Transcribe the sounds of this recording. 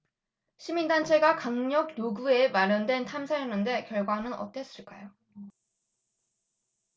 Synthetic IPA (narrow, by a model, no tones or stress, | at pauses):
ɕʰimindant͡ɕʰe̞ɡakaŋɲʌɡ̚joɡue̞maɾjʌndwe̞ntʰamsʰajʌnːɯnde̞kjʌɭɡwanɯnʌ̰t͈e̞s͈ɯɭk͈ajo